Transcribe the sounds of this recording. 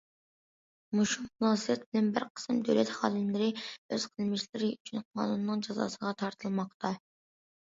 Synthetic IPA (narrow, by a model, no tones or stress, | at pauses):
muʃumunˠɑːsɨjɛt̪̚bɪlɛnbɪɾqʰə̥sɨmd̪øwlɛt̪χɑ̰ːlˠɪmlɪɾɪøz̥qʰəlˠmɪʃlɪɾɪyt͡ʃʰynqʰɑ̰ːnunɨːɨŋd͡ʒɑzɑ̰ːsəʁɑt̪ʰɑɾt̪ʰɨlˠmɑq̚t̪ʰɑ